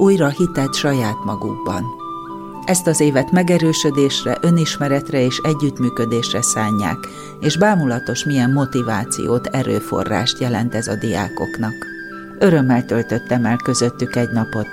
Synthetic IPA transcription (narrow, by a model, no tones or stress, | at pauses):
uːjrɒhit̪ɛt̪ʃɒjaːt̪mɒɡṵɡ̚bɒ̰n | ʔɛst̪ɒzeːvɛt̪mɛɡɛɾøːʃød̪eːʃrɛʔø̞niʃmɛɾɛt̪rɛeːʃɛɟːyt̪myːkød̪eːʃrɛsaːɲːa̰ːk | eːʒbaːmulɒt̪o̞ʃmijɛmːo̞t̪ivaːt̪sḭjo̰ːt̪ʰɛɾø̰ːfo̞̰rːa̰ːʃt̪jɛlɛnt̪ɛzɒd̪ija̰ːko̞̰knɒk | ø̞ɾømːɛlt̪ø̞lt̪ø̞t̪ːɛmɛlkø̞zø̞t̪ːykɛɟnɒpo̞t̪